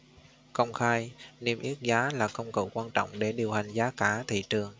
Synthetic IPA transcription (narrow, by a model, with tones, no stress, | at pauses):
kə˧wŋ͡mxaː˧jni˧mʔi˦˥ət̚zaː˨˦laː˨˩kə˧wŋ͡mkə̰˧˩wkwaː˧nt͡ɕɔ̰˧˨wŋ͡mɗe˧˩ɗi˨˩əwha˨˩jŋ̟zaː˨˦kaː˧˩t̪ʰḭ˧˨t͡ɕɨ˨˩əŋ